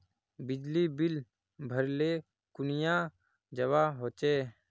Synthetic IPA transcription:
bɪd͡ʒlibɪl | bʱəɾle | kʊnɪjãː | d͡ʒəwaːɦoːt͡ʃeː

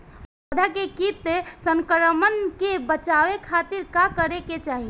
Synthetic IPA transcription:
ɐd̪ʱakekit̪esə̃ŋkəɾəmənkebət͡ʃaːʋekʰaːt̪ɪɾkakəɾeket͡ʃaːɦi

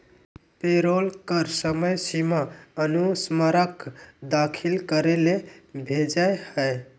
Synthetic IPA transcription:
peɾolkəɾsəməjsimaənusməɾəkd̪akʰilkəɾelebʱed͡ʒaehə

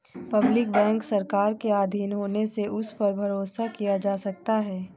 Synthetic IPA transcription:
pɐblɪkbɛ̃ːŋksɐɾkaːɾkeaːd̪ʱiːnɦoːneseʔʊspɐɾbʱɐɾoːsakijad͡ʒaːsɐk̚t̪aɦɛː

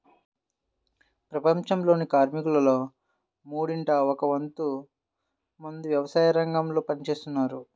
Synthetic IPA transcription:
pɾɐpɐɲt͡ʃɐmlo̞ːnikaːɾmikulɐlo̞ː | muːɽiɳʈɐɔkɐʋɐnt̪u | mund̪uʋjɐʋɐsaːjɐɾɐŋɡɐmlo̞ːpɐnit͡ʃe̞ːst̪unːaːɾu

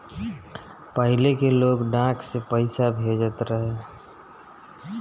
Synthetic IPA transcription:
pəɦɪlekeloːɡɖãːkʰsepəɪsabʱed͡ʒət̪ɾəɦe

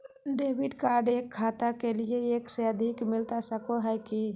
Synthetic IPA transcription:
ɖebʱiɖkaɾɖekʰːat̪akelieekseəd̪ʱikmilt̪asəkoɦəjki

